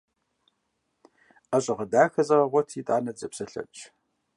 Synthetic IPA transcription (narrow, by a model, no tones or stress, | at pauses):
ɐɕʼɪʁɐdaːxɐzɐrɐʁʷɔtʰiːtʼaːnɐd͡zɐpsɐɬɐ̰t͡ʃʼ